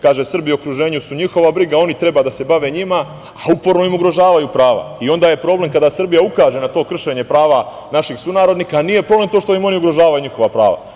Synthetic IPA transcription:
kaːʒesr̩bijokɾuʒe̞ːɲusuɲixo̞ʋabɾiɡao̞nit̪ɾe̞baːd̪ase̞baʋe̞ɲima | aupo̞ɾno̞imuɡɾo̞ʒaːʋajupɾaːʋa̰io̞nd̪aːje̞pɾo̞ːble̞mkad̪asr̩bijaukaːʒe̞nat̪o̞ːkr̩ʃe̞ɲe̞pɾaːʋa | naʃixsunaːɾo̞d̪niːkanije̞pɾoblˠe̞mt̪oʃt̪o̞imo̞niuɡɾo̞ʒaːʋajuɲixo̞ʋapɾa̰ːʋa̰

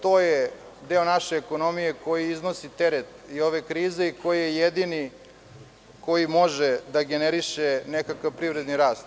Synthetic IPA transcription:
t̪oːje | d̪e̞onaʃeːko̞no̞mijeko̞jiiznosit̪eɾet̪io̞ʋekɾiːzeiko̞jijejed̪ini | ko̞jimo̞ʒed̪aɡeneɾiʃenekakaʋpɾivɾe̞d̪niɾaːst̪

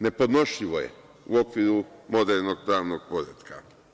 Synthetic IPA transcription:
ne̞po̞d̪no̞ʃʎiʋo̞jḛ | uo̞kʋiːɾumo̞d̪eɾno̞ɡ̚pɾaːʋnoɡ̥̚po̞ɾet̪kʰa

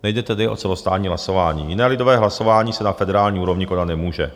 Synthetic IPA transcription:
nɛjdɛt̪ɛdɪʔot͡sɛlost̪aːt̪ɲiːɦlaso̞vaːɲḭːjɪnɛːlɪdovɛːɦlaso̞vaːɲiːsɛnafɛdɛɾaːlɲiːuːɾo̞vɲɪkonat̪nɛmuːʒɛ

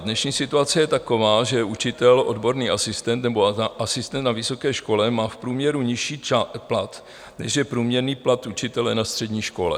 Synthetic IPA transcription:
dnɛʃɲiːsɪt̪uat͡sɛjɛt̪ako̞vaːʒɛʔut͡ʃɪt̪ɛlʔo̞dbo̞ɾniːʔasɪst̪ɛnt̪nɛbo̞ʔasɪst̪ɛnt̪navɪso̞kɛːʃko̞lɛmaːfpɾuːmɲɛɾuɲɪʃiːt͡ʃaplat̪ | nɛʃjɛpɾuːmɲɛɾniːplat̪ut͡ʃɪt̪ɛlɛnast̪r̥ɛdɲiːʃko̞lɛ̰

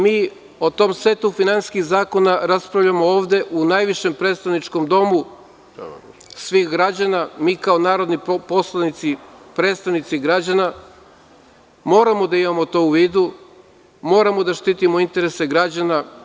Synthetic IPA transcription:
miː | o̞t̪o̞mse̞t̪ufinanskiɣzaːko̞naɾaspɾaʋʎamo̞oːʋd̪e̞ʔunajʋiʃe̞mpɾe̞t̪st̪aʋnit͡ʃko̞md̪o̞mu | sʋixɡɾad͡ʑanamiːkao̞naːɾo̞d̪nipo̞slˠanit̪sipɾet̪st̪aʋnit̪siɡɾad͡ʑana | mo̞ːɾamo̞d̪aimamo̞t̪o̞uʋiːd̪u | mo̞ːɾamo̞d̪aʃt̪iːt̪imo̞int̪e̞ɾe̞se̞ɡɾad͡ʑana

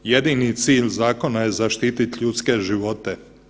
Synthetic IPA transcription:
je̞d̪init̪siːʎzaːko̞najezaʃt̪iːt̪it̪ʎut̪ske̞ʒiʋo̞t̪e

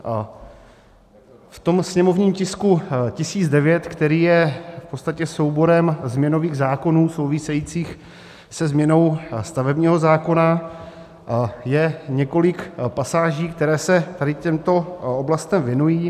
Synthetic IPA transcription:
ft̪o̞msɲɛmovɲiːmcɪskucɪsiːd͡zdɛvjɛt̪kt̪ɛɾiːjɛfpott͡sst̪acɛso̞wbo̞ɾɛmzmɲɛno̞viːɣzaːko̞nuːsowvɪsɛjiːt͡siːx | sɛzmɲɛno̞wst̪avɛbɲiːɦo̞zaːko̞na | jɛɲɛko̞lɪkpasaːʒiːkt̪ɛɾɛːsɛt̪adɪcɛmt̪o̞oblast̪ɛmvjɛnujiː

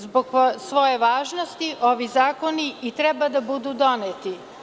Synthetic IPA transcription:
zboɡsʋo̞jeʋaːʒnost̪iʔo̞ʋizaːkoniit̪ɾɛbad̪abud̪ud̪o̞net̪i

